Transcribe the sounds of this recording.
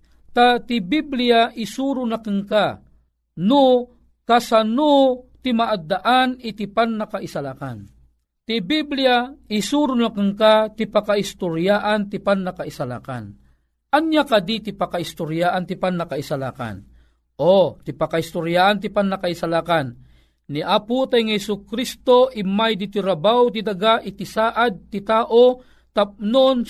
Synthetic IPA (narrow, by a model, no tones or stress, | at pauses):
t̪at̪ibiblijaʔisuɾʊnakɨŋka | nu | kasanut̪imaʔad̪ːaʔanit̪ipanːakaʔisalaka̰n | t̪ibiblijaɪsuɾʊnakɨŋkat̪ipakaist̪ʊɾjaʔant̪ipanːakaisala̰ka̰n | ʔanjakad̪it̪ipakaist̪ʊɾjaʔant̪ipanːakaisala̰ka̰n | ʔot̪ipakahist̪ʊɾjaʔant̪ipanːakaisalakanː | iʔaput̪ajŋhɛsukɾist̪oʔimajd̪it̪iɾabawt̪id̪aɡaʔit̪isaːʔad̪̚t̪it̪aːʔo | t̪ap̚non